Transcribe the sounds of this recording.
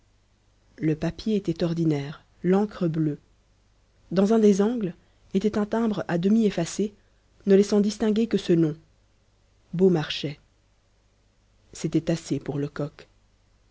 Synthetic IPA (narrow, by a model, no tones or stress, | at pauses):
ləpapjeet̪ɛt̪ɔʁd̪inɛːʁ | lɑ̃kχəblø | d̪ɑ̃zɛ̃d̪ezɑ̃ɡl | et̪ɛt̪ɛ̃t̪ɛ̃bʁad̪əmiefase | nəlɛsɑ̃d̪ist̪ɛ̃ɡʲekəsənɔ̃ | bomaʁʃɛ | set̪ɛt̪asepuʁləkɔk